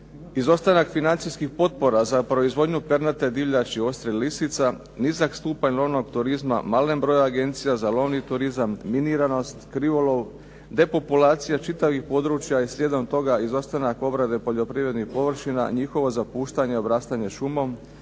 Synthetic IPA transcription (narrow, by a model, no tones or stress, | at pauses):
izo̞st̪anakfinant̪sijskixpo̞t̪̚po̞ɾazapɾo̞izʋo̞d̪ɲupeɾnat̪e̞d̪iʋʎat͡ʃio̞st̪ɾellisit̪sa | nizakst̪uːpaɲlˠo̞no̞ɡt̪uɾizma̰male̞mbɾo̞jaɡe̞nt̪sijazalo̞ʋnit̪uɾizamːiniɾano̞st̪kɾiʋolo̞ʋ | d̪e̞po̞pulaːt̪sijat͡ʃit̪aʋixpo̞d̪ɾut͡ʃjaisʎʲje̞d̪o̞mt̪o̞ɡaizo̞st̪anako̞bɾad̪e̞po̞ʎo̞pɾiʋɾe̞d̪nixpo̞ʋr̩ʃina̰ɲixo̞ʋo̞zapuːʃt̪aɲeobɾaːst̪aɲe̞ʃumo̞m